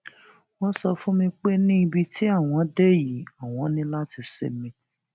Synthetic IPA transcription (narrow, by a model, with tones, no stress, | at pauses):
wɔ̃˦sɔ˧fũ˦mĩ˧k͡pe˦nĩ˦i˧bi˧tʰi˦a˦˨w̃ɔ̃˨˧de˦ji˨˦a˦˨w̃ɔ̃˨˦nĩ˦la˦ti˧sḛ˨mĩ˧˦